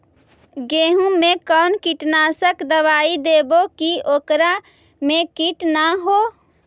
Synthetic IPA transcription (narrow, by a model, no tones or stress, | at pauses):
ɡeːɦũmẽkɔːnkiʈnaːsəkd̪əʋaːid̪eːbokioːkɾa | mẽkiʈnaɦoː